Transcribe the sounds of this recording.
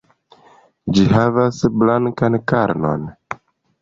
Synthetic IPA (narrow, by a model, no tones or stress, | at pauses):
d͡ʒihavasblaŋkankaɾno̞̰n